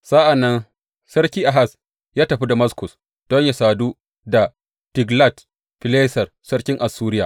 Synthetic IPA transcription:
sa˦ʔa˨nːɐ˦n | sɐ˦ɾkʲiː˦ʔa˨ɦa˦˨s | jaː˦tɐ˨ɸi˦da˨mɐ˦skʊ˨s | d̥ɔ˦ɲja˨saː˨du˦ | da˨ | tɪ˨ɡla˦˨t | ɸɪ˨leː˦sɐ˨r | sɐ˦ɽkʲɪ˦ŋʔa˨sːuː˦ɾɪ˦jaː˨

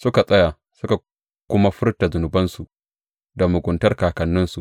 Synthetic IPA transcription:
sʊ˦ka˨sʼɐ˦ja˨ | sʊ˦ka˨ | kʷʊ˦ma˦ɸʊ˦ɾta˨zʊ˨nʊ˨bɐ˦nsu˨ | da˨mʊ˨ɡʷʊ˨˦ntɐ˦rkaː˨kɐ˨nːɪ˦nsu˨

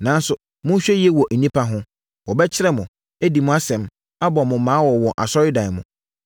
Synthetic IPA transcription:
nã˨n˦sʊ˨ | mʊ̃˦ɕᶣɛ˦jɛ˦wɔ˨ʔn̩˨nĩ˦pʰa˦ɦʊ̃˦ | wɔ˨bɛ˦t͡ɕʰɪ˦ɾɛ˦mʊ̃˨ | æ˦di˨mʊ̃˦a˦sɛ̃˨m | a˦bɔ˨mʊ̃˨˦mãː˨˦wɔ˨wɔ˨ʔa̰˨sɔ˦ɾɪ˦dã˨ɪ˨mʊ̃˨

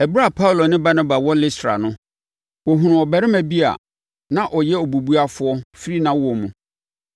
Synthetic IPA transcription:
ɛ˨bɾa˨pʰa˦ʊ˦lo˨nɪ̃˦ba˦na˦ba˨wɔ˦lɪ˦stɾa̰˨nʊ̃˦ | wɔ˨ɦʊ̃˨ɾʊ̃˨ɔ˨bɛ˨ɾɪ˦mæ̃˨bi˦a̰˨ | nã˦ʔɔ˨jɛ˦o˨bu˨bu˦a˦fʊ˨˦ɔ˦fi˦ɾi˦nã˦wɔ˨mũ˨

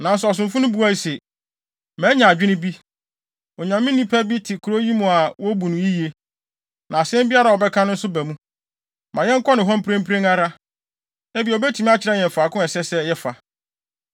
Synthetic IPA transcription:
nã˨n˦sʊ˨ɔ˨s̬ʊ̃˨mfʊ̃˦nʊ̃˦bu˦a˦i˦sɛ˨ | mɛ̃˨˦ɲã˨a˨d͡ʑᶣɪ˦nʊ̃˦bi˦ | ɔ˨ɲã˨mːɪ̃˦nːĩ˦pʰæ˦bi˦tʰɪ˨kʰu˨ɾo˦ji˦mũ˨a˨wɔ˦bu˨nʊ̃˨ji˦je˦ | nã˨sɛ̃˦m˦bi˦a˦ɾa˨ɔ˨bɛ˦kʰã˦nʊ̃˦n̩˦sʊ˦bæ˨mũ˦ | mã˨jɛ̃˦ŋ̩˦kʰɔ˦nɪ̃˨ɦɔ̃˦m˦pʰɪɾẽ˦m˦pʰɾẽ˦ŋa˦ɾa˦ | ɛ˦bi˨bɛ˦tʰi˨m̃˦a˦t͡ɕʰɪ˨ɾɛ˦ɲɛ̃˨m˨faː˨kʊ̃˦ɛ˨sɛ˦sɛ˦jɛ˦fa˨

